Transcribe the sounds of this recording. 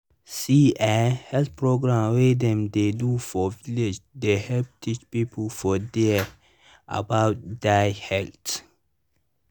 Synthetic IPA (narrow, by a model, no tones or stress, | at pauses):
siʔahɛlt̪pʰɹoɡɹãmwed̪ɛ̃md̪edufɔvilɪd͡ʒd̪ehɛlp̚tʰit͡ʃpiːpʰəlfɔd̪ɛ | ʔa̰baʊt̚d̪aɪhɛlt